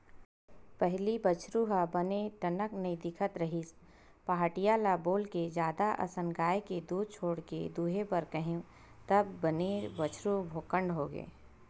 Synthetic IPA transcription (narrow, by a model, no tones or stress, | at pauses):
pɛɦlibət͡ʃʰɾuɦabəneʈɐnəknəid̪ɪkʰət̪ɾɐɦis | paɦaːʈijalaboːlked͡ʒjaːd̪aʔɐ̰sənɡaːjeked̪uːd̪̚t͡ʃʰoːɽkḛd̪uːɦebəɾkəɦẽ | t̪ɐbːənebət͡ʃʰɾubʱoːkə̃ɳɖɦoɡḛː